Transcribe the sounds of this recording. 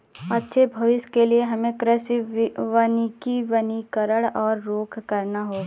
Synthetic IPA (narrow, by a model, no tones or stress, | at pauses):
ɐtːʃʰebʱɐʋɪskelieɦɐmẽkɾəʃʋənikiʋənikəɾəɽɔːɾːoːkʰkɐɾnaɦoː